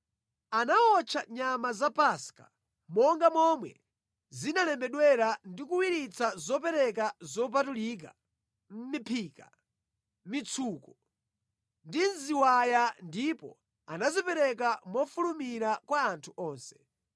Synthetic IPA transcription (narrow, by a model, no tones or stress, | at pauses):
anaɔt͡ʃʰaɲamazapaska̰ | mɔŋɡamɔmwɛ̰ | zinalɛmbɛɗwɛɾandikuwiɾit͡sʰazɔp̬ɛɾɛk̬azɔp̬atulik̬a | m̩mipʰiːka | mit͡sʰuːkɔ | ndinziwajandipɔ̰ | anazipɛɾɛk̬amɔfulumiɾakwaːntʰuɔːnsɛ̥